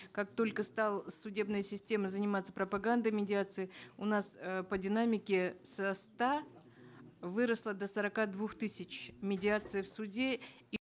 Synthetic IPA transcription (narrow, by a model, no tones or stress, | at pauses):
kak̚t̪o̞lʲkəst̪alˠəsʊdʲe̞bnɨjəsʲɪsʲtʲe̞məzənʲɪmat̪sːə̥pɾəpɐɡand̪əmʲɪdʲɪat̪sɨɪʊnaspədʲɪnamʲɪkʲɪsɐst̪a | vɨɾəslˠəd̪əsəɾɐkad̪vuxt̪ɨsʲɪt͡ɕmʲɪdʲɪat̪sɨɪfsʊdʲe